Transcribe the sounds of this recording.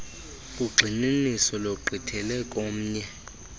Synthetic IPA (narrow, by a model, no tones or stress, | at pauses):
kʼuɡ͡ǃʱininisɔloǃʱitʰɛlɛkʼom̩ːɲɛ